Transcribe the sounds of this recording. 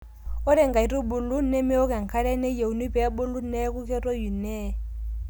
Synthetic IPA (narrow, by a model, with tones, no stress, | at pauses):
ɔ˦ɾɛ˦ŋɡa˨i˨˦ɾu˦bu˨lu˦nɛ˦mi˦ɔ˦ka˨ŋ̩˨kʰa˦ɺɛ˦nɛ˦je˨u˨ni˦pɛ˨a˦bu˦lu˦nɛ˦ku˦kɛ˦tɔ˦ju˨nɛ˦˨